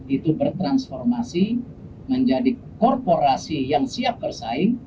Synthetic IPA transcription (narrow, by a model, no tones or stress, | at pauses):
it̪ubərt̪ɾansfɔrmasi | məɲd͡ʒadi | kɔrpoɾasijaŋsiap̚bərsaɪŋ